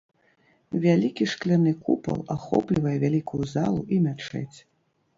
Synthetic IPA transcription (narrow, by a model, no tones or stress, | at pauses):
vʲalʲikʲiʂklʲanɨkupɐ̰lˠaxɔ̰plʲivɐjɛvʲalʲikujuzalˠuʔimʲat͡ʂɛ̰t͡sʲ